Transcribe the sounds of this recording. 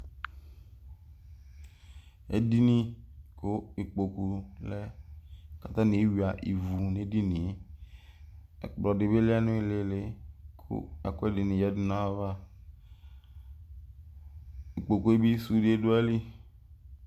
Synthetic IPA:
ḛ˦di˦nĩ˦ko˦i˨k͡po˨ku˨lɛ˦ | ka˨t̪ã˦nĩ˨e˦wi˨a˨ʔi˨vu˨ne˨˦di˦nĩ˨˦ | ḛ˨k͡plɔ˨de˨be˦le˦a˦nõ˦e˦˨le˨le˦kʰo̰˦a˨ko˦e˦de˨nĩ˨jɛ˦du˦nã˦va˦˨ | i˨k͡po˨ku˨˦e˦bi˦su˦de˦e˦do˦ɛ˦li˦

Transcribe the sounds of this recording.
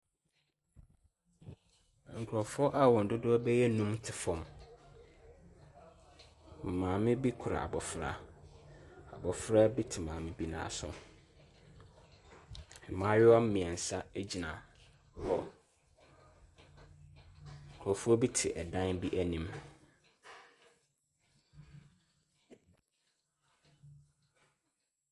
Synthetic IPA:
ŋ̩˨kʰʊɾɔ˨fʊ˦ɔ˦ʔa˦wɔ̃˨n̩˨dʊ˦dʊ˦ɔ˦bɛ˦jɛ˦nũ˦mtʰɪ˨fɔ̃˨m˨ | mãː˨mɪ̃˦bi˦kʰʊ˨ɾa̰˨a̰˨bɔ˨fɾa̰˦ | a̰˨bɔ˨fɾa˦bi˦tʰɪ˨mãː˨mɪ̃˦bi˦nã̰ː˨sʊ̰˦ | ɛ˨mãː˨˦ɾɪ˦ɔ˦m̩˦mĩ˨ɛ˨n̩˨sa˦æ˦d͡ʑi˨nã˨ | hɔ˨ | kʰɔ˨fu˦ɔ˦bi˦tʰɪ˨ʔɛ˨dã˦nbi˦ʔæ˦nĩ˦m

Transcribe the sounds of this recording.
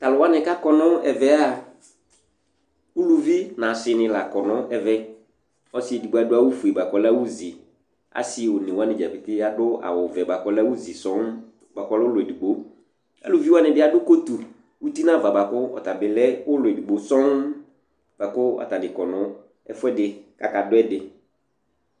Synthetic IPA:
ta˨lʊ˨wa˦nɪ̃˨ka˦kɔ˨nʊ̃˦ɛ˨vɛ˨a˦˨ | u˦lu˨vi˦nã˨sɪ˨nɪ̃˨la˨kɔ˨nʊ̃˦ɛ˨vɛ˦ | ɔ˨˦sɪ˦e˨di˨ɡ͡bo˨a˨dʊ˦a˦wʊ˦fu˨e˨ba˨kɔ˨la˦wu˦zi˨ | a̰˨sɪ˦˨wʊ˨nɪ̃˨wa˦nɪ̃˨d͡ʒa˨pɪ˨t̪ɪ˦a˦dʊ˦a̰˨wʊ˨vɛ˨ba˨kɔ˨la˦wu˦zi˨sɔ˨˦ŋ | ba˨kɔ˨˦lɛ˦ʊ˦lʊ˨ɛe˨du˨ɡ͡bo˨ | a̰˨lu˨vi˦wa˦nɪ̃˨bɪ˦a˨dʊ˦ko˦t̪u˨ | wu˦t̪i˦nã˦˨va˨ba˨kʊ˦ɔ̰˨t̪a˨bɪ˨lɛ˦ʊ˦lʊ˨ɛ˨du˨ɡ͡bo˨sɔ˦ŋ | b̥a˨kʊ˦ɔ̰˨ta˨nɪ˨kɔ˨nʊ̃˨˦ | ɛ˦fɛ˦dɪ˨ka˨ka˨dʊ˦ɛ˦dɪ˨

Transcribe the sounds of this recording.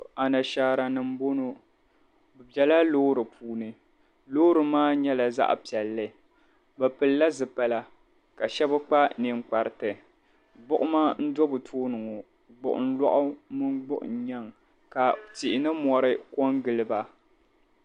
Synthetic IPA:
a˨na˨ʃaː˨ɾa˨nɨ˨m˦bo˦no˦ | bɨ˨bɛ˨la˦loː˦ɾɨ˨pʰuː˨˦nɨ˨ | lo˦ɾɨ˨maː˦ɲɛ˦la˨za̰˦ʔpi˨ɛ˨lːɨ˦ | bɛ˨pɨ˨lla˦zɨ˨pa˨la˦ | ka˨ʃɛ˦bɨ˦k͡pa˦ni˨ŋ͡mk͡pa˨ɾɨ˨tɨ˨ | ɡ͡bʊ˦ʔʊ˦maː˦n̩˦dɔ˦bɨ˨tʰoː˦nɨ˨ŋo˨ | ɡ͡bʊ̰˨ʔʊ̰˨n̩˦lɔ̰˦ʔʊ˦mɨ˦nɡ͡bʊ˦ʔʊ̰˨ɲa˦ŋ | ka˨ti˨ʔɪ˨nɨ˦mɔ˨ɾɨ˦ko˦ŋɡɨ˨lɨ˦ba˨

